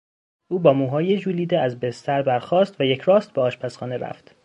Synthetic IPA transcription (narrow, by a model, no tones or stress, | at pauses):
ʔuːbɒːmuːɦɒːjed͡ʒuːliːd̪eæzbest̪ʰæɾbæɾxɒːst̪væjecʰɾɒːst̪̚beɒːʃpʰæsχɒːneɾæ̰ft̪